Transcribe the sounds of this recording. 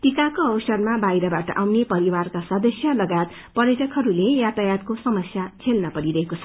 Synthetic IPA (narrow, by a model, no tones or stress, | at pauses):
ʈikakoʌwsʌrmabajɾʌbaʈʌ̰ʔawnepʌɾiwarkasʌd̪ʌsjʌlʌɡajt̪ | pʌɾjetʌkɦʌɾulejat̪ajat̪̚kosʌmʌsjat͡sʰelnʌpʌɽiɾʌɦekot͡sʰʌ̥